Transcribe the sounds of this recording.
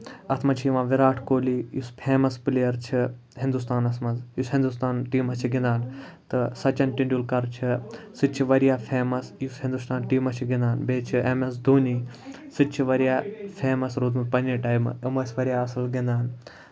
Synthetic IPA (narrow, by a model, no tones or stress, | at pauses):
ɐt̪ʰmɐt͡ʃʰijiʋãːʋiɾaːʈʰkoːlijispʰeːmɐspilejɐɾt͡ʃʰi | ɦĩnd̪ust̪aːnɐsʰmɐnzjusɦĩnd̪ust̪aːnʈiːmɐt͡ʃʰiɡĩnd̪aːnt̪ɨsɐt͡ʃɐnʈiɳɖʲjulkɐɾt͡ʃʰisɨt͡ʃʰiʋɐɾjaːpʰeːmɐsjusɦĩnd̪ust̪aːnʈiːmɐt͡ʃʰiɡĩnd̪aːnbeːt͡ʃʰiemɐs̬d̪ʱuːniː | sɨt̪t͡ʃʰiʋɐɾijaːpʰeːmɐsɾoːd̪mupɐniʈaːjm̰ɐmɐsʋɐɾjaːɐsɐlɡĩnd̪aːn